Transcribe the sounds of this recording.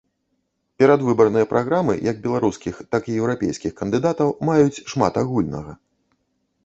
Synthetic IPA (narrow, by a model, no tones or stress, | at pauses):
pʲɛɾad̪vɨbɐrnɨjɐpɾʔaɣɾamɨ̰jɐɡ̚bʲɛlˠaɾuskʲixt̪akijɛwɾapʲḛjskʲixkɐnd̪ɨd̪at̪ɐwmajut͡sʲʂma̰t̪aɣulʲnɐ̰ɣɐ